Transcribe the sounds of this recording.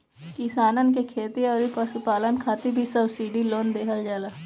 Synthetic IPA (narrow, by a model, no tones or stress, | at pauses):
kɪsaːnənk̬ekʰeːt̪iɔːɾipəspaːlənkʰaːt̪ibʱisəbsiːɖiloːnd̪eːɦəɾd͡ʒaːlaː